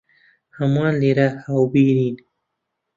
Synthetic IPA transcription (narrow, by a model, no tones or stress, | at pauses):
hamãːliɾahawbiɾin